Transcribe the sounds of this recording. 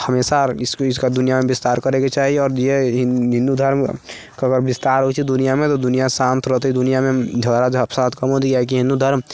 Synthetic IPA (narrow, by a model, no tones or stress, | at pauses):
həmeːsasɪskad̪ʊnijamẽbɪst̪aːɾkəɾeket͡ʃaːɦieɔːɾd͡ʒeɦɦɪ̃nd̪ud̪ʱəɾm | kəɡəɾbɪst̪aːɾɦot͡ʃʰid̪ʊnijamẽt̪od̪ʊnijasãːnt̪ʰɾət̪id̪ʊnijamẽd͡ʒʱɐlɾad͡ʒɐpsãt̪kəmɦot̪iaɦɛk̬iɦɪ̃nd̪ud̪ʱəɾm